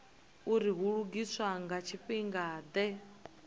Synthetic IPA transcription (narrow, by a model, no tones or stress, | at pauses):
uɾiɦuɺuɡiswaŋɡat͡ʃʰiɸiŋɡaːd̪ɛ